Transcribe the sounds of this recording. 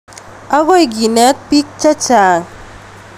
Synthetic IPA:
a˦ɣo˦jɡi˨nɛ˦t̪̚pi˦k̚t͡ʃa˦t͡ʃa˨

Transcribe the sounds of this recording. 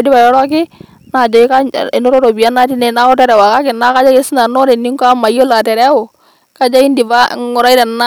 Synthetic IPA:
di˦ba˨jɔ˦ɾɔ˦k̬ɪ˦ | na˨d͡ʒɔ˨i˦ka˦ɪ˨no˦ɾo˦ɾo˨bi˨a˦na˦ti˦nɛ˦na˦ɔ˦tɛ˦ɾɛ˨wa˨ka˦kɪ˨na˦ka˦d͡ʒa˦e˦si˦na˨nɔ˦ɾɛ˨nːi˦ŋka˦ma˨jo˦la˨tɛ˨ɾɛ˦ʊ˨ | ka˦d͡ʒa˦i˦ndi˨va˦ŋʊ˨ɾa˦i˦ɾɛ˨na˦

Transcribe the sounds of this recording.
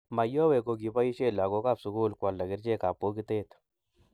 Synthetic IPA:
ma˨jɔ˦we˨ko˨ɡi˨pa˦ji˦ʃe˦la˨ɡo˦ka˦˨bsʊ˨ku˦lka˨lːa˨ɡɪ˦ɾt͡ʃe˦ka˨pːo˦ɡi˦t̪e˦t̪

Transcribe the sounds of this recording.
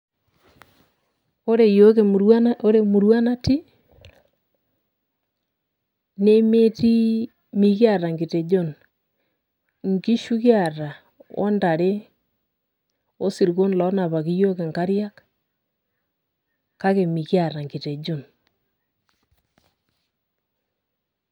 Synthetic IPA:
o˦ɾe˨jo˦ko˦ɾe˦mu˨ɾwa˦na˦ti˦ | ne˦me˦ti˦ | mi˨kja˦ɾa˨ŋɡi˨te˨d͡ʒo˦˨n | ŋki˦ʃu˦ɣja˦˨ɾa˨ | ɔ̰˦nda˨ɾe˦ | o˦si˨ɾi˨ɣo˦n˨lɔ˦na˨βa˨ɣi˦jo˦ke˨ŋka˦ɾja˦k | ka˦ɣe˨mi˨kja˨ɾa˨ŋɡi˨te˨d͡ʒo˦˨n

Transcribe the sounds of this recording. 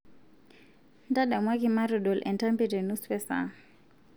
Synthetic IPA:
nda˦ɗa˨mwa˦ki˨ma˦ɾɔ˨ɗɔ˨lʔɛ̰˨nta˦mbɛ˦dɛ˨nu˦spɛ˦sa̰˨

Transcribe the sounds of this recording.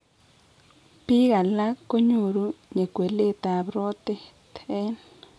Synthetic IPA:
pi˦ɣa˨la˦ko˦ɲu˨ɾu˦ɲe˨kwe˨le˦ta˨βɾo˦te˦tʰe˦n

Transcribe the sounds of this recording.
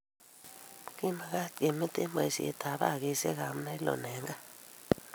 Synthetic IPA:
ki˦ma˨ɣa˦ke˨mi˦t̪e˦mba˨i˨sḭ˨˦t̪ʰa˨˦βa̰˦˨ɣi˦sḛ˦ɣa˨m˦na˦i˦lo̰˨nɛ˨˦ŋɡa˦

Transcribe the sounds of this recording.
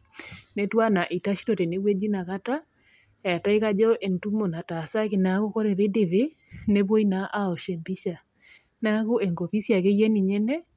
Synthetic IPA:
ne˦twa˦na˨ʔi˨ta˦ʃi̥˦ɾɔ˨te˨ne˦ɣwe˦d͡ʒi˦na˨ka˦ta˦ | a˨ta˦i˦ka˦d͡ʒɔ˦ʔe˨ntu˦mo˨na˨ta˨sa˦ke˨na˨˦ɣo˦ko˦ɾɛ˨βe˦de˨βe˦ne˦βwo˦i˦na˦ʔa˦o˨ʃɛ˨mbi˦ʃa˨ | na˦ɣo˦ɛ˨ŋɡo˨βi˦sja˨ke˦jɛ˦ni˨ɲɛ˦nɛ˦

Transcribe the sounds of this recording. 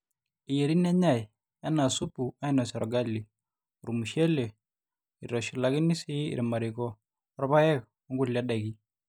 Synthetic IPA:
ɪ˨je˨ɾi˦nɛ˦ɲa˦˨j | a˦na˨su˦pu˨a˦i˦nɔ˨sɛ˨ɾɔ˨ɡa˦lːi˨ | u˨ɾu˨mu˨ʃe˦le˨ | i˨rɔ˨ʃi˨la˨kɪ˦ni˦si˦ḭɾma˨ɾɪ˨kɔ˦ | ɾba˦jɛ˦k | ɔ˦ŋɡu˦lja˦da˨ki˦

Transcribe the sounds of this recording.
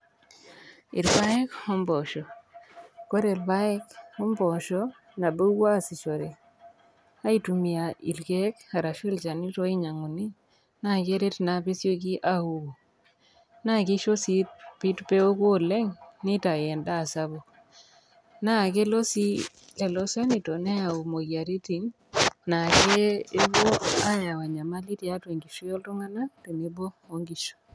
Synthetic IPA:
ɪ˨ɾba˦ɛ˦kɔ˦mbɔ˨ʃɔ˨ | ko˦ɾe˨lba˦ɛ˦kɔ˦mbɔ˨ʃɔ˦ | na˨bo˦wa˦si˨t͡ʃo˨ɾe˨ | a˦i˦tu˨mi˨a˨ḭ˨lkɛ˦ka˨ɾa˨ʃi˦lt͡ʃa˨ni˦to˦i˦ɲa˨ŋu˨ni˦ | na˦˨ke˦ɾe˦tna˨pe˦sjo˦ki˦ʔa˦u˦bo˨ | na˦ki˦ʃo˦si˦t̚pi˦tpe˦o˦ko˦lɛ˦ŋni˦ta˨jɛ˨nda˦˨sa˦bɔ˦ | na˦˨ke˦lo˦si˦ | lɛ˨lɔ˦sa˦ni˨to˨nɛ˦a˨u˨mo˨kja˨ɾi˦ti˨n | na˨ke˦e˦βo˦a˦ja˨wa˨ɲa˨ma˦li˦tja˦twe˨ŋɡi˨ʃo˦jɔ˦lto˦ŋa˦na˦te˨ne˨˦bo˦ | o˦ŋɡi˨ʃo̥˨

